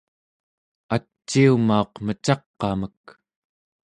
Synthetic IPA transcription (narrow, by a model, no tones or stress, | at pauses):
at͡ʃːiumao̞qmət͡ʃɑqːɑmək̚